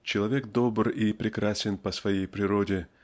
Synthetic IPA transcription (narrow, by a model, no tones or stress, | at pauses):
t͡ɕɪlˠɐvʲe̞kd̪o̞bripɾʲɪkɾasʲɪnpəsvɐjejpɾʲɪɾodʲɪ